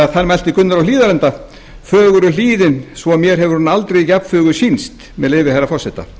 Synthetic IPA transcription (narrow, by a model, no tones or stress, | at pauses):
aðθanmɛjl̥t̪ɪkʏnːaɾawliːðaɾlɛnt̪a | fœːɣʏɾʏliːðɪnsvɔamjɛɾ̥ɦɛvʏɾunːaalt̪ɾejicap̪fʏːɣʏsinst̪ | mɛðleːjvɪhajɾafɔr̥sɛht̪a̰